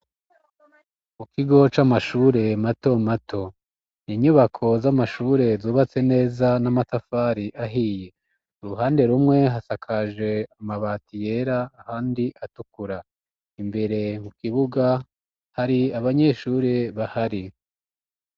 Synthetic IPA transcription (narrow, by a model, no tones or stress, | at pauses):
mukiɡo̞t͡ʃamaʃuːɾe̞mato̞matʰo̞ | niːɲuβakʰo̞zamaʃuːɾe̞zuːβat͡se̞ne̞ːzanamatafaɾiʔaɦiːje̞ | uɾuɦaːnde̞ɾumŋe̞ɦasakʰaʒe̞amaβaːtije̞ɾaːhaːndiʔatukuɾa | imbe̞ɾe̞mukiβuɡa | haɾiaβaɲe̞ʃuːɾe̞βahaɾi